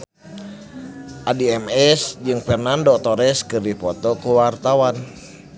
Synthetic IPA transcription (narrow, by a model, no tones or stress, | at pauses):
ʔadiɛmɛsd͡ʒɨŋfɛrnandot̪ɔɾɛskɨrdipɔt̪ɔkuwart̪awan